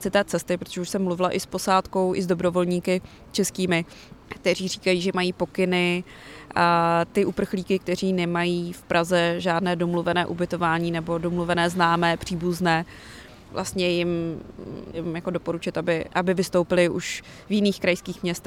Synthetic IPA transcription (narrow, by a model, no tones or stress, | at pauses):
t͡sɪt̪ɛːt͡sɛst̪ɪpɾot̪oʒɛuʃsɛmːluvɪlaʔɪspo̞saːt̪ko̞wʔɪ̰zdobɾo̞vo̞lɲiːkɪ | t͡ʃɛskiːmɪ | k̚t̪ɛriːriːkajiːʒɛmajiːpo̞kɪnɪ | t̪ɪʔupr̩xliːkɪk̚t̪ɛriːnɛmajiːfpɾʔazɛʒaːdnɛːdo̞mluvɛnɛːʔubɪt̪o̞vaːɲiːnɛbo̞domluvɛnɛːznaːmɛːpr̝̥iːbuznɛː | vla̰st̪ɲɛjɪm | jɪmjako̞do̞po̞ɾut͡ʃɪt̪abɪʔabɪvɪst̪o̞wpɪlɪʔuʃ | vjɪniːxkɾajskiːxmɲɛst̪